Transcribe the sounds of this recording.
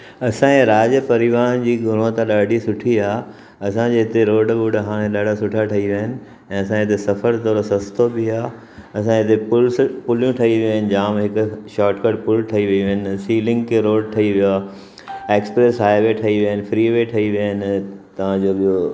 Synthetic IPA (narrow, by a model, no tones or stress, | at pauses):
ɐsãːɾaːd͡ʑəpɐɾɪʋaːnd͡ʑiːɡʱʊɽ̤̃õt̪aɗaːɖʱisʊʈʰiaː | ɐsãd͡ʑeɦɪt̪eɾoːɖbʊɖɦaːɽ̃ẽɗaːɖʱasʊʈʰaʈʰɐiʋiɦənɪ̆ | ɛ̃ːɐsãɦɪt̪esɐfəɾt̪ɔːɾosɐst̪obɪaː | ɐs̬ãɪt̪epʊlpʊljũʈʰɐiʋioɦənɪ̆d͡ʑaːmɦɪkʊʃaːʈkəɖpʊlʈʰɐiʋiiʋɐɦənɪsiːlɪ̃ŋɡkʰeɾoːɖ̚ʈʰɐiʋijaː | eːkspɾeːsɦaːjʋeʈʰɐiʋiəɦənɪ̆fɾiːʋeʈʰɐiʋiənɪ̆t̪ɐʋ̤ãd͡ʑoːɓijo